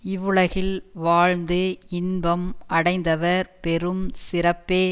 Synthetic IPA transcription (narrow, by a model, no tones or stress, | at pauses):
ɪʋːɯɭɐɣɪlʋaːɻnd̪ɯɪnbɐmʔɐɽɐɪnd̪ɐʋɐɾpɛɾɯmsɪɾɐpːeː